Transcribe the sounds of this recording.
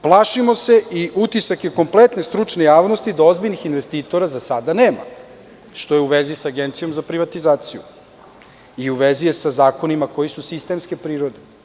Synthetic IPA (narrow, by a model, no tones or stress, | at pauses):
plˠaʃimo̞se̞ʔiʔut̪isakje̞ko̞mplet̪ne̞st̪ɾut͡ʃne̞jaːʋno̞st̪id̪ao̞zbiʎnixinʋe̞st̪iːt̪o̞ɾazasad̪aneːma̰ | ʃt̪o̞jeuʋezisaɡent̪sijo̞mzapɾiʋat̪izaːt̪sijṵ | iuʋezijesazaːko̞nimako̞jisusist̪e̞mske̞pɾiːɾo̞d̪e